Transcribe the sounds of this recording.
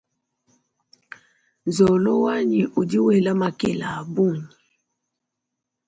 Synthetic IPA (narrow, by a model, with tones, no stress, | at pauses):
nzɔ˨lɔ˦wa˦ɲi˨ʔu˨di˦wɛ˨la˦ma˨kɛ˦˨la˨bu˦˨ɲi˨